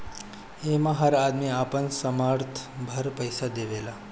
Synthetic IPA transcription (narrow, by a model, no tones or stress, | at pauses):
emãɦəɾad̪miapənsəmaɾt̪ʰbʱəɾpəjsad̪eʋela